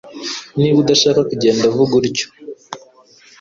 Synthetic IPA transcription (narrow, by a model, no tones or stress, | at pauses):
niːβudaʃaːkakuɟe̞ːndavuɡuɾco̥